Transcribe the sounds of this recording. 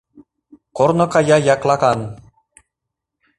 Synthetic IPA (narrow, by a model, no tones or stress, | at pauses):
koɾnokɑjɑjɑklˠɑkɑn